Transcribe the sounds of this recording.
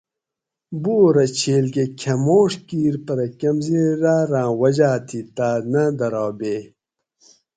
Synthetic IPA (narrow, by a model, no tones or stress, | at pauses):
buːɾɐt͡ɕʰeːlkekʰɐmoːʂkiːɾpɐɾɐkɐmziɾaːɾãːwɐd͡ʑaːt̪ʰit̪aːnɐd̪ɐɾɑːbeː